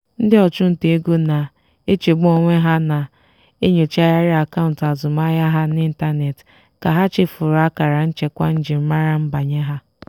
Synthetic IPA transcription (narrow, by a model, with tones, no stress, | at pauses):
n̩˦dɪ˦ɔ˨t͡ʃʊ˦n̩˨te˨e˦ɡo˦na˨ | e˦t͡ʃe˨ɡ͡bʊ˦o˨ŋʷe˦ɦa˦na˨ | e˦ɲo˨t͡ʃa˦ja˦ɾɪ˦a˨ka˦ʊ˨n̩˨ta˨zʊ˨ma˦ja˦ɦa˦n˦ɪ˦n̩˦ta˦ne˨t | ka˨ɦa˦t͡ʃɪ˦fʊ˨ɾa˦ka˨ɾa˨n̩˦t͡ʃe˦kʷa˦n̩˦d͡ʒɪ˨m̩˦ma˦ɾa˦m̩˦ba˨ɲe˦ɦa˦